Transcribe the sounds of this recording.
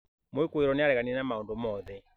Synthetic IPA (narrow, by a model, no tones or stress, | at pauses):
moekoeɾɔneaɾɛɣaniɛnamaondomɔðɛ